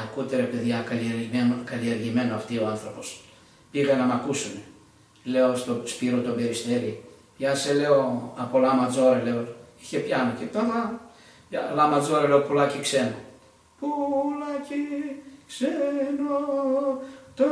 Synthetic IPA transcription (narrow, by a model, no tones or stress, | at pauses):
ɐkut̪eɾe̞pe̞ðjɐkɐlieɾenokɐlieɾʝime̞noɐft̪ioanθɾo̞pos | piɣɐnɐmɐkusune | le̞ost̪o̞spiɾot̪o̞be̞ɾist̪e̞ɾi | pçɐse̞le̞oɐpo̞lɐmɐd͡zo̞ɾele̞oiçe̞pçɐnocet̪omɐ | pjɐlamɐd͡zo̞ɾele̞opulacikse̞no | pulacikseno | t̪o